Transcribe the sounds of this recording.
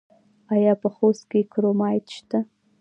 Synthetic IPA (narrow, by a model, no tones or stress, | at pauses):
ajɑpəχoskekʰɾomɑjt̪ʃt̪a